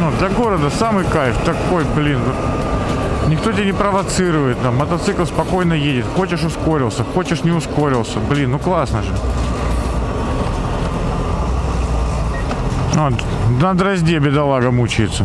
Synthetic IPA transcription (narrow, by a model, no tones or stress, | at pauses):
od̪lʲɐɡo̞ɾəd̪əsamɨjkajɪft̪ɐko̞jblʲinvot̪ | nʲɪkt̪otʲɪenʲɪpɾəvɐt̪sɨɾʊvəjɪt̪namːət̪ɐt̪sɨklˠspɐko̞jnəjedʲɪt̪xo̞t͡ɕɪʂʊsko̞ɾʲɪlˠsʲəxo̞t͡ɕɪʂnʲɪʊsko̞ɾʲɪlˠsʲəblʲinːuklˠasnəʐɨ | o | d̪əd̪ɾɐzʲdʲebʲɪd̪ɐlˠaɡəmut͡ɕɪjɪt̪sːə